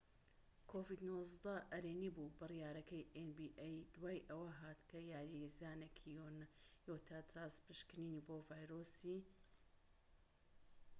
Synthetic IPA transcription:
kʰovid̪nozd̪ɐɐɾenibubɨrijaːɾɐkɐjʔenbiʔajd̪waːjʔɐwɐɦaːt̪kʰɐjaːɾijezaːnekʰijonjot̪ʰat͡saspɨʃkɨniːniboːvaːjɾosi

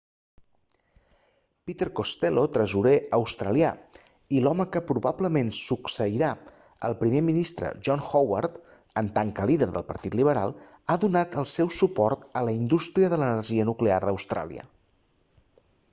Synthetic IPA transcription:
pit̪eɾkost̪elot̪ɾəzuɾeʔəwst̪ɾəlia | ilɔməkəpɾuβabləmensuksəiɾa | ə̰lˠpɾimeminist̪ɾə̰ʒɔnxɔwa̰ɾt̪ | ənt̪aŋkəliðəɾðəlˠpə̰ɾt̪it̪liβ̞əɾa̰lˠ | aðunat̪əlˠsɛwsupɔrt̪ələind̪ust̪ɾiəðələnərʒiənuklearðəwst̪ɾa̰lˠḭə̰

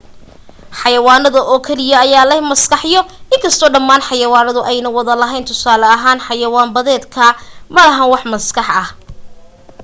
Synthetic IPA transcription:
ħɑjɐwaːnɐðɐʔɔːkʰɛlɪjɐːjaːlɛhmɐskɑħjɔɪŋkʰɐst̪ʰɔːɖɐmːaːnħɑjɐwaːnɐðʊʔɛjnɐwɐðɐlɐɦɛjnt̪ʰʊsaːlɐɐɦaːnħɑjɐwaːmbɐðɛːd̪kʰɐmɐlɐɦɐnwɑħmɐskɑħɐh

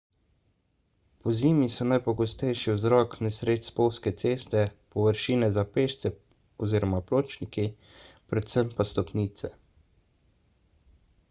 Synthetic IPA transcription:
pɔziːmisɔnajpɔɡɔst̪ɛjʃiwzɾɔːknɛsɾeːt̪spowskɛt̪seːst̪ɛpɔʋəɾʃiːnɛzapeːʃt̪sɛ | ɔziːɾɔmaploːt͡ʃniki | pɾɛt̪səmpast̪ɔpniːt̪sɛ

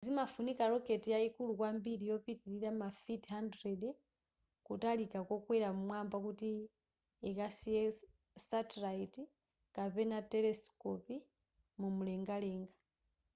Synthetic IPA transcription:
zimafunikaɾɔketijaikulukwambilijɔpitiɾilamafithandɾed | kutalikakokwɛlamumwambakuti | ɛkasijɛ | satilaiti | kapɛnatɛlɛskɔpi | mumulɛŋɡalɛŋɡa

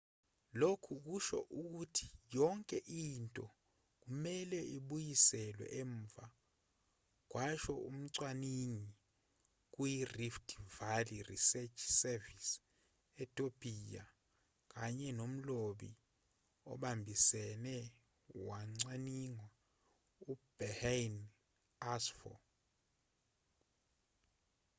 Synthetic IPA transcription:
lokʰuk̬uʃɔ̰ʔuk̬utʰi̥jɔŋkʼɛʔintʼɔ | k̬umɛlɛiɓujisɛlwɛ̰ʔɛɱvʱa | k̬wʔaʃɔum̩ǀwaniɲi | k̬ujiriftʰʼvalirḭsɛt͡ʃʰsɛvis | ɛtʼopʰʼija | k̬ʼaɲɛnom̩loɓi | ɔ̰ɓambʱisɛnɛ | waŋ͡ǀaniŋwa | ub̥ɛhan | asfɔ̰

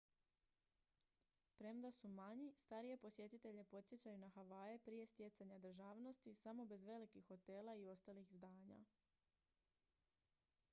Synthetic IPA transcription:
pɾe̞md̪asumaɲist̪aɾije̞po̞sje̞t̪it̪e̞ʎe̞po̞t̪sje̞t͡ɕajunaxaʋaːje̞pɾije̞st̪je̞t̪saɲad̪ɾ̩ʒaːʋno̞st̪isamo̞be̞zʋe̞likixːo̞t̪e̞ːlaio̞st̪alixzd̪aːɲa̰

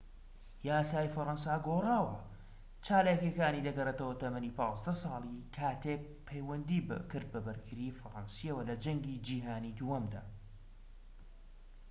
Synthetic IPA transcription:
jaːsaːjfɐɾɑnsaːɡoːraːwɐ | t͡ʃaːlaːkekaːnid̪ɐɡɐreːt̪ɐwɐt̪ɐmɐniːpɑːzd̪ɐsɑːlˠikʰaːt̪ʰeːk̚pʰɛjwɐnd̪iːbkɨɾd̪̚bɐbɐɾɡɨɾiːfɐɾansiɐwɐlɐd͡ʒɐŋɡiːd͡ʒiːɦaːnid̪uwɐmd̪a̰ː

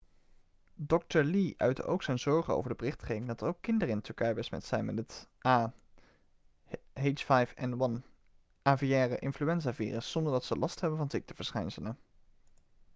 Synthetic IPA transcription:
dɔk̚təɹliʔœ̰ɥtə̰ʔo̰wksɛjnzɔɹχəno̰wvəɹdəbərɪχtχejdɪŋdɑtəɹowkːɪndəɾəɪntʏɹkɛjbəsmɛ̰tsɛjnmɛtətʔaː | ɦejt͡ʃfajfɛ̰nwɑn | ʔaːvijɛːrəʔɪnflyɛnzaːvḭːrəsːɔndəɹdɑtsəlʔɑstɦɛbənvɑnzɪk̚təv̥əɹsχɛjnsələn

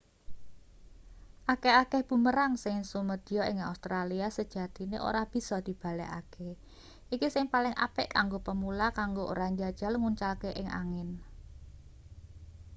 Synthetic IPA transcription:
ʔakeakɛhb̥ṳməɾaŋsɪŋsuməd̪̥ijɔɪŋa̰ust̪ɾaliasəd̥ʒ̥a̤d̪̥i̤nḛʔo̰ɾab̥i̤sɔd̪̥i̤b̥a̤lɛ̰a̰kʰe | ʔikisɪŋpalɪŋʔa̰pɪ̰ʔkaŋɡopəmulakaŋɡoʔo̰ɾaɲd͡ʒad̥ʒ̥a̤lŋuɲt͡ʃalkeʔɪŋa̰ŋɪn

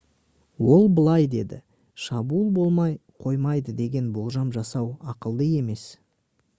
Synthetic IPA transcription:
wo̞lˠbəlˠɑjd̪e̞̰d̪ɪ̰ | ʃɑbuːlˠbo̞lˠmɑjqʰo̞jmɑjd̪əd̪e̞ɡʲe̞nbo̞lˠʒɑmʒɑsɑwɑqəlˠd̪əe̞me̞s

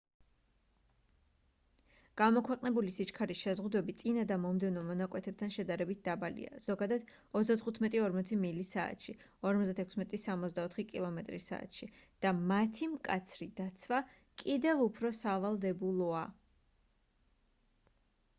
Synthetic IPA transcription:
ɡ̥amɔkʰwɛqʼnɛbulisit͡ʃkʰaɾisʃɛzʁud̪wɛbit̪sʼinad̪amɔmd̪ɛvnɔmɔnakʼwɛt̪ʰɛp̚t̪ʰanʃɛd̪aɾɛbit̪̚d̪abalḭa̰z̥ɔɡad̪ad̪̥ | ɔzd̪at̪χut̪ʰmɛt̪ʼiɔɾmɔt̪sʰimilisa̰ːt̪ʃi | ɔɾmɔzd̪at̪ʰɛkʰsmɛt̪ʼisamɔt̪zd̪aɔt̪ʰχikʼilˠɔmɛt̪ʼɾisa̰ːt̪ʃid̪̥amat̪ʰimkʼat̪sʰɾid̪at̪sʰva | kʼid̪ɛvupʰɾɔsavalˠd̪ɛbulˠɔa

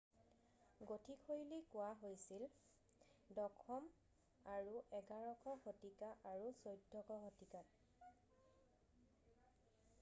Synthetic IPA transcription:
ɡotʰikʰojlikʊwaɦojsil | dɔkʰɔm | aɹuʔɛɡaɹɔkʰɔxotikaʔaɹusojdʱːɔkɔɦɔtikat

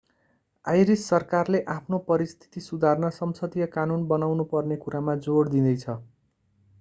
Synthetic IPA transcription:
ajɾisːʌrkarleʔapʰnopʌɾist̪ʰi̥t̪isud̪ʱarnʌsʌmsʌd̪ijʌkanunbʌnawnupʌrnekuɾamad͡zoɽd̪ĩd̪ʌjt͡sʰʌ

